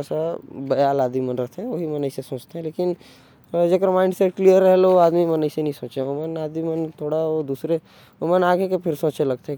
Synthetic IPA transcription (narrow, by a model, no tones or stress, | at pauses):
sabɐjaːlaːd̪imənɾɐɦt̪ʰeɦɛ̃ʋoɦimɐnəisesõːt͡ʃt̪eɦɛ̃leːkɪn | d͡ʒeːkɾmaːɪ̃ɳɖseʈklijəɾːəɦeloaːd̪mimɐnəisenɐɦĩsõːt͡ʃeomənaːd̪imənt̪ʰoːɽaod̪uːsɾe | omənaːɡekepʰɪɾsõːt͡ʃelɐɡ̚t̪eɦɛ̃